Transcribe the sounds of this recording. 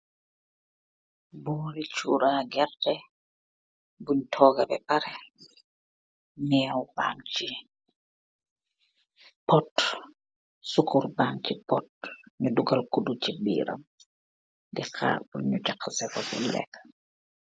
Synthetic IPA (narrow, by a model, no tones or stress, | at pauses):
bɔːlit͡ʃṵɾaːɡɛɾtɛ | buɲtʰɔːɡabɛ̰baɾɛ | mɛwba̰ŋt͡ʃi | pɔt | sukuɾbaŋt͡ʃipɔt̚ɲuduɡalkudut͡ʃibḭːɾa̰m | dika̰ːbuɲːut͡ʃakːsɛfafṵlɛ̰k